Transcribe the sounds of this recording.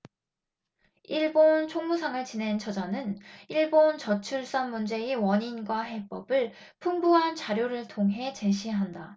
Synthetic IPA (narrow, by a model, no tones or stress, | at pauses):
iɭbont͡ɕʰoŋmusʰaŋɯɭt͡ɕine̞nt͡ɕʰʌd͡ʑanɯniɭbont͡ɕʌt͡ɕʰuɭs͈anmund͡ʑe̞iwʌɲinɡwaɦe̞p͈ʌbɯɭ | pʰuŋbuɦant͡ɕaɾjoɾɯɭtʰoŋɦe̞t͡ɕe̞ɕ̬ʰiɦanda